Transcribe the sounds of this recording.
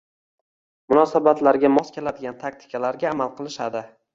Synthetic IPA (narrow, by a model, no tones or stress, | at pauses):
mʊnɒsabat̪laɾɡʲamɒskʲe̞lad̪ɪɡʲant̪ʰak̚t̪ʰɪ̥kʲʰalaɾɡʲaːmalˠqɨlˠɪʃad̪ɪ